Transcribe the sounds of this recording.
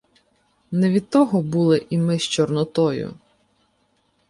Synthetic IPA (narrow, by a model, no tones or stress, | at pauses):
nɛʋʲid̪̚t̪ːɔɦɔbulˠɪʔimɪʃt͡ʃɔrnɔt̪ɔjʊ̰